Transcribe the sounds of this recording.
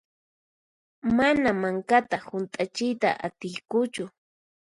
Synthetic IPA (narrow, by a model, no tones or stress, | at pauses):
manamaŋkat̪ahʊnt̪ʼat͡ʃɪjt̪a̰ʔat̪ɪjkʊt͡ʃʊ